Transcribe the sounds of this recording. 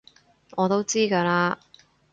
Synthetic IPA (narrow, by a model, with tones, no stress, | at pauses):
ɔː˨˧t̪o˥wt͡siː˥kaː˧laː˧